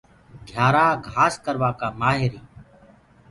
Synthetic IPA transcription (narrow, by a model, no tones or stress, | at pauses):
ɡʱjaːɾaːɡʱaːskəɾʋaːkaːmaːɦɪɾiː